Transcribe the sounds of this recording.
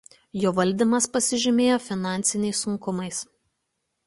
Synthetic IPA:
joːʋɐlʲˑd̪ʲɪmɐspɐsʲɪʒʲɪmʲeːjoːfʲɪnɑˑnʲt̪sʲɪnʲɛɪsːʊŋkʊmɐɪs

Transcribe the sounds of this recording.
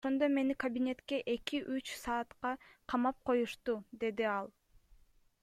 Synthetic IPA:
oʃo̞nd̪o̞me̞nikɐbʲinʲe̞t̪ke̞ʔe̞kiʔyt͡ʃsɑːt̪qɑqʰɑmɑp̚qʰo̞juʃt̪ud̪e̞d̪iɑlˠ

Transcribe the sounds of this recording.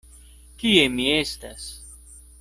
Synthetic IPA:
kiemiest̪as

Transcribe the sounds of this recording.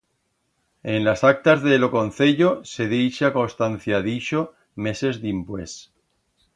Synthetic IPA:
enlasak̚t̪azðelo̞ko̞n̟θeʎose̞ðejʃako̞st̪an̟θjaðiʃo | me̞se̞zðimpwe̞s

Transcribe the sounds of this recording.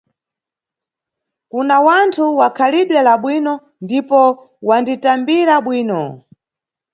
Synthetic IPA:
kunawantʰuwakʰaliɗwɛlaɓwinɔ | ndipɔ | wanditambiɾaɓwiːnɔ

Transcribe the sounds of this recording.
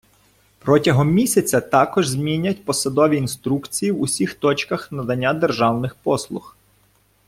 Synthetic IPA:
pɾɔtʲɐɦɔmːʲisʲɐt͡sʲɐt̪ɑkɔʒzʲmʲinʲɐtʲpɔsɐd̪ɔʋʲiːnst̪ɾukt͡sʲijiwʊsʲixt̪ɔt͡ʃkɐxnɐd̪ɐnʲːad̪erʒɑwnɪxpɔslˠʊx

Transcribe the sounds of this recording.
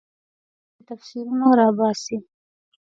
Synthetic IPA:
t̪afsilmoɾɑːbɑːsi

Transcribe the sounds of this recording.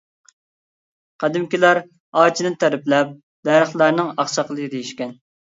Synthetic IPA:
qʰæd̪ɪmkʲilæɾ | ɑːt͡ʃʰinɨt̪ʰæɾɪplɛp̚ | d̪æɾəχlˠæɾnɨŋɑχʃɑqəlˠɨid̪ejiʃkʲɛn

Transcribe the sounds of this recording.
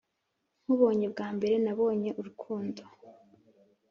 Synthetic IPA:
ŋ̥huβo̞ːɲe̞bɡaːmbe̞ɾe̞naβo̞ːɲe̞ʔuɾukʰuːndo

